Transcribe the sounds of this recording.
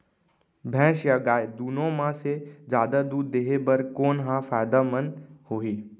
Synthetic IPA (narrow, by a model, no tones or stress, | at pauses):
bʱɛ̃ːʃjaɡaːjd̪unõmãsed͡ʒjaːd̪ad̪uːd̪ːeɦebəɾkoːnɦãfaːjd̪amənhoɦiː